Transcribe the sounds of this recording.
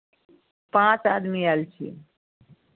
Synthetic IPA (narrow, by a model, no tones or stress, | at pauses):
pãːt͡saːd̪mialt͡ʃʰḭ